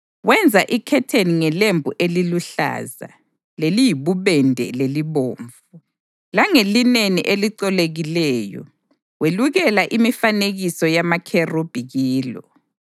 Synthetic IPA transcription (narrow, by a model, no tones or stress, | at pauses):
wɛnd͡zʱaʔikʰɛtʰeniŋɛlembʱuʔeliluɬa̰ːza̰ | lelijiβuβɛndʱɛ̰leliβoːɱvu | laŋelineniʔeliǀɔleɣilɛːjɔ̰ | weluɣɛlaʔimifaneɣisɔjamakʰerub̥ʱiɣiːlɔ̰